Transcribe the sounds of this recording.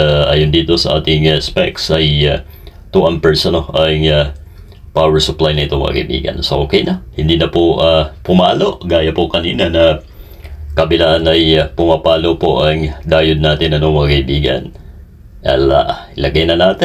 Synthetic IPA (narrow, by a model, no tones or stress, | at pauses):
aʔaːjond̪iːt̪o̞sɐʔaːt̪ɪŋaspɛksɐja | t̪uʔɐnpɛɹsɐnoʔɐŋa | pawɛɹsʊplajnɐʔɪt̪oŋmɐ̰kːa̰kɐ̰ʔibḭːɡɐ̰nsɐʔoːkɛjnɐhɪnd̪inɐpoʔapʊmaːlo̞ʔɡaːjɐpokɐniːnɐnɐ | kɐbɪlaːʔanɐjpʊmapaːlopo̰ʔɐŋd̪aːjʊd̪̚naːt̪ɪnɐnoŋmɐɡakɐɪbiːɡɐ̰n | a̰la̰ʔʔlɐɡɐjnɐnaːt̪ɪ